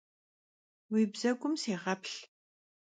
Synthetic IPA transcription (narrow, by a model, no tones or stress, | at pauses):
wiːbzɐɡʷʼʊmseːʁɐpɬ